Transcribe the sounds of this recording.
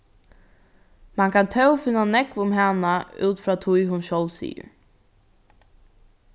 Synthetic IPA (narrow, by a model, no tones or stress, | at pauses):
mankʰant̪ʰœwfɪnːanɛkvʊmɦanaṵːt̪fɾaːt̪ʰujɦʊnʃɔwlsḭːʊ̰ɹ